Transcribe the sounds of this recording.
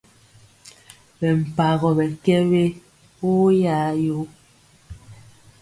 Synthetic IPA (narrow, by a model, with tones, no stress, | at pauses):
bɛ˨m̩˨pa˨ɣɔ˨bɛ˨kɛ˦we˦ | wo˦ja˦jo˦